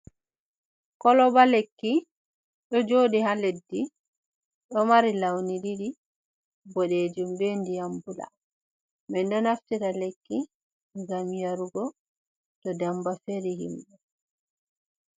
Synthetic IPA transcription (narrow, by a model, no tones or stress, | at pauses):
kɔlɔbalekːi | ɗɔd͡ʒoːɗihaledːi | ɗɔmaɾilawniɗiɗi | bɔɗeːd͡ʒumbendijambula̰ | mɛndɔnaftitalekːi | ɡamjaɾuɡɔ | tɔdambafeɾihimɗɛ